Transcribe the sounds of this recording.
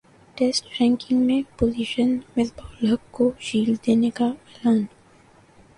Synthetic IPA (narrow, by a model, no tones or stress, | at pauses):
ʈɛsʈɾɛ̃ŋkɪ̃ŋɡmẽpozɪʃənmɪt̪bʱɔːləkkod͡ʒiːld̪eːnekaɛːlaːn